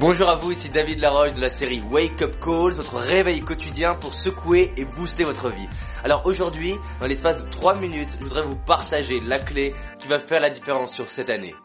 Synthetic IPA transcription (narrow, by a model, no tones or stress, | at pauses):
bɔ̃ʒuʁavuisid̪avid̪laʁɔʃd̪əlaseʁiwekɔp̚kolzvɔt̪χəʁevɛjkɔt̪id̪jɛ̃puʁsəkueebust̪evɔt̪χəvi | alɔʁoʒuʁd̪ɥid̪ɑ̃lɛspasd̪ət̪χwaminyt̪ʒəvud̪ʁɛvupaʁt̪aʒelaklekʲivafɛʁlad̪ifeʁɑ̃sːyʁsɛt̪anḛ